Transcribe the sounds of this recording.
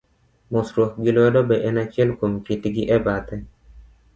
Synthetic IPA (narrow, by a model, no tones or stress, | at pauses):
mʊsɾwɔk̚ɡilwɛdɔbɛʔɛnat͡ʃɪɛlkomkitɡiʔɛbat̪ɛ